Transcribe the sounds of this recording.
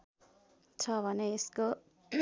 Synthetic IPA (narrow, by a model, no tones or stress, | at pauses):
t͡sʰʌbʱʌneːsko